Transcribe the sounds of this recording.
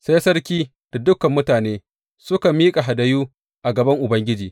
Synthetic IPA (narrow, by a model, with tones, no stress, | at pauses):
sa˦jsɐ˦rkʲiː˦ | d̥a˨dʊ˦kɐ˨mːʊ˦taː˨neː˦ | sʊ˦kɐ˨miː˦kʼa˨ɦa˨dɐ˦juː˦ | ʔa˨ɡɐ˨bɐ˦ŋʔʊ˨bɐ˦ŋɡʲɪ˦d͡ʒiː˨